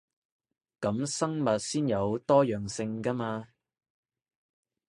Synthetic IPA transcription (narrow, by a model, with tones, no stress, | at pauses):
kɐ˨˥msɐ˥ŋmɐ˨t̚siː˥njɐ˨˧wt̪ɔː˥jœː˨˩ŋsɪ˧ŋka˥maː˧